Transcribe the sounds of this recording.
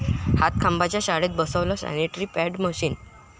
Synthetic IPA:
hat̪̚kʰambat͡ɕjaɕaɽeːt̪̚bəsəʋlɔsa̰niʈɾiːpɛɖməɕiːn

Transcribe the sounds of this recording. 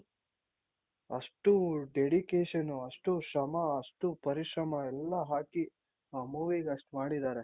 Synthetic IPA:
ɐ̰ʂʈuɖeɽikeːʃɐnuɐʂʈusɐmɐɐʂʈupɐɾiʂɾɐmɐɛlːɐɦaːki | aːmuːʋiɡeɐʂʈmaːɽid̪aːɾe

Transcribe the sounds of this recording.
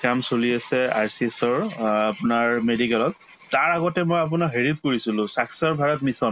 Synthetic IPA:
kamsoliasɛa̰jsisɔɹapʊnaɹmedikɛlɔtː | aɹaɡɔtɛmojap̬ʊnaɦeɹit̚koɹisilʊ̃saksɔɹbʱaɹɔtmisɔn

